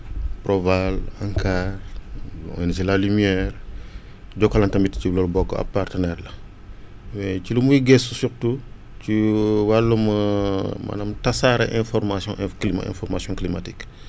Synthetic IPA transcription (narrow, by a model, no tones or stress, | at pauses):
pɾɔvalaŋkʰarɔ̰ns̬ilalymiɛr | ɟɔkːɔlɐntɐmbitcilɔlbɔkːɔ̰ɐ̰pːartənɛɾlɐ | wɛcilumujiɡɛsusuɾtu | ciwalːumɐmʔɐ̰nɐmtɐsaɾɐʔɛ̃fɔɾmasjɔ̃ʔklima̰ɛ̰̃nfɔɾmasjɔ̃klimatik